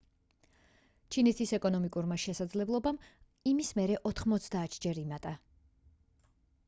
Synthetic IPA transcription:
t͡ʃʰinɛt̪ʰisɛkʼɔnɔmikʼuɾmaʃɛsad̪zlɛblˠɔbam | imismɛɾɛʔɔt̪ʰχmɔt̪sʰd̪aːt̪ʰd͡ʒɛɾimat̪ʼa

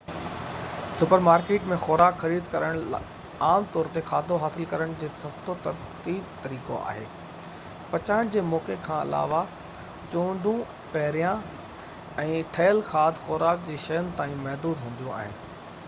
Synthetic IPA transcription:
sʊpəɾmaːɾkeːʈmẽxɔːɾaːkxɐɾiːd̪kɐɾəɽ̃ | aːmt̪ɔːɾt̪exaːd̪ʱoɦaːsɪlkɐɾəɽ̃d͡ʑeːsɐft̪ot̪ɐɾ | t̪iːb̚t̪ɐɾiːkoa̰ːɦḛː | pɐt͡ɕaːɪɽ̃d͡ʑeːmɔːkekʰãːɪ̰la̰ːʋa | t͡ɕõːɖʱũ | pɐɦɾijã | ɛ̃ːʈʰeːəlxaːd̪ʱxɔːɾaːk̚d͡ʑeːʃɐjənɪ̆t̪aːĩmɐɦd̪uːd̪ɦũːnd̪ijũa̰ːɦɪnɪ̆

